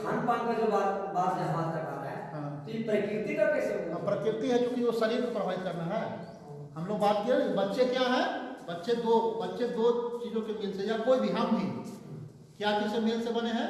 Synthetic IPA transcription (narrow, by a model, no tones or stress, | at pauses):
kʰãːnpãːŋked͡ʒobaːt̪baːt̪d͡ʒabaːt̪ɾɐka̰ːɾaɦɛɦãːtipɾəkɪɾt̪ikɐɾkesepɾɐkɾɪt̪iɦɛt͡ʃjũːkiʋosɐɾiːɾkepɾɐbʱaːit̪kɐɾnaɦɛ | ɦɐmloːɡ̚baːt̪kiɾebɐtːʃekjaɦɛbɐtːʃed̪oːbɐtːʃed̪oːt͡ʃiːzõkemɪlsejakoːibʱiɦamĩ | kjat͡ʃisemɪlsebɐneɦɛ̃ː